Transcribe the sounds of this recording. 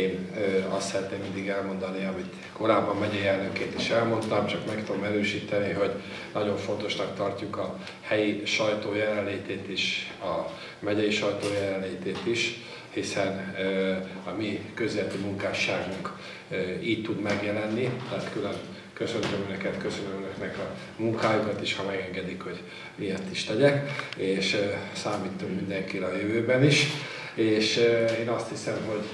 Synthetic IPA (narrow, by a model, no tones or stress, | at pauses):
eːnøɒst̪sɛɾɛt̪neːmmind̪iɡɛlmo̞n̪d̪ɒniɒmit̪ | ko̞ɾaːbɒmːɛɟɛjɛlnøkeːt̪iʃɛlmo̞nt̪ɒmt͡ʃɒkmɛkt̪ud̪omɛɾøːʃiːt̪ɛniɦo̞ɟ | nɒɟo̞ɱfo̞n̪t̪o̞ʃnɒkt̪ɒrcukɒ | hɛjiʃɒjt̪oːjɛlɛnleːt̪eːt̪iʃɒ | mɛɟɛjiʃɒjt̪oːjɛlɛnleːt̪eːt̪iʃ | hisɛnø | ɒmikøzlɛt̪imuŋkaːʃaːɡuŋkː | iːct̪ːud̪mɛɡjɛlɛnːit̪ɛɦaːt̪kylø̞n | kø̞sø̞nt̪ømønøkɛt̪køsønømønøknɛkɒ | muŋkaːjukɒt̪iʃhɒmɛɡɛŋɡɛd̪ikho̞ɟ | miɛrt̪iʃt̪ɛɟɛkeːʃøsaːmiːt̪ːukmind̪ɛŋkilɒjøvøːbɛniʃ | eːʃeːnɒst̪hisɛmɦo̞ɟ